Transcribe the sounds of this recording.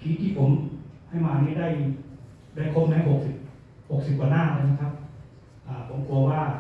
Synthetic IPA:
kʰiː˨˦t̪ʰiː˧˩pʰo˩˦mha˥˩jmaː˧niː˦˥daː˥˩j | daː˥˩jkʰo˧˥p̚naː˦˥˩ho˨˩k̚si˨˩p̚ | ho˨˩k̚si˨˩p̚kwaː˨˧˦naː˥˨laː˧˥˩jna˧˥kʰa˦˥p̚ | ʔaː˧˩pʰo˩˦mku˧waː˧˥˩

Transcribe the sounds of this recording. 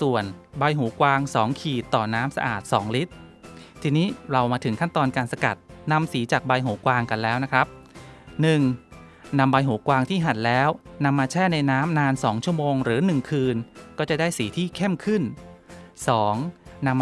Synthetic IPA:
su˨˩ənba˧jɦuː˩˦kwaː˧ŋsɔː˩˦ŋkʰiː˨˩t̪ːɔː˨˩naː˦˥msa̰˧ʔaː˨˩t̪̚sɔː˩˦ŋli˦˥t̪̚ʰːiː˧niː˦˥ɾa˧wmaː˧t̪ʰɯ˨˩˦ŋkʰa˥˩nt̪ɔː˧nkaː˧nsa˧ka̰˨˩t̪̚na˧msiː˩˦t͡ɕaː˨˩k̚ba˧jɦuː˩˦kwaː˧ŋka˧nlɛː˦˥wna˦˥kʰɾa˦˥p̚nɯ˨˩ŋ | na˧mba˧jɦuː˩˦kwaː˧ŋt̪ʰiː˥˩ɦa˨˩t̪̚lɛː˦˥wna˧mːaː˧t͡ɕʰɛː˥˩na˧jnaː˦˥mnaː˧nsɔː˩˦ŋt͡ɕʰu˥˩əmoː˧ŋɾɯː˩˦nɯ˨˩ŋkʰɯː˧nkɔː˥˩t͡ɕa˨˩daː˥˩jsiː˩˦t̪ʰiː˥˩kʰe˥˩mkʰɯ˥˩n | sɔː˩˦ŋna˧mː

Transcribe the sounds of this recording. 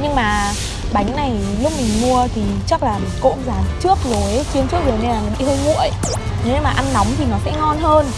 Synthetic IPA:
ɲɨ˧ŋmaː˨˩ | ɓa˨˦jŋ̟na˨˩jlʊ˦˥k͡p̚mï˨˩ŋ̟mu˧ət̪ʰi˨˩t͡ɕa˦˥k̚laː˨˩mi˨˩ko̰˧˥mzaː˨˩mt͡ɕɨ˦˥ək̚zo˨˦jt͡ɕi˧əmt͡ɕɨ˦˥ək̚zo˨˩ne˧nlaː˨˩ŋa˨˩ɓḭ˧˨˩həː˧jŋṵ˧˨əj | ne˨˦maː˨˩ʔa˧nːa˨˦wŋ͡mt̪ʰi˨˩nɔ˨˦sɛ̰˧˥ŋɔ˧nɦəː˧n

